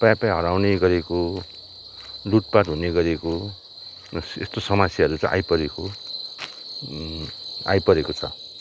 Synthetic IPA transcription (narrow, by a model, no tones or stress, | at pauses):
pajpajɦʌɾawneɡʌɾeko | luʈ̚paʈɦuneɡʌɾeko | ḛst̪osʌmasjaɦʌɾut͡sʌ̰̃ʔa̰jpʌɾeko | a̰jpʌɾekot͡sʰʌ̰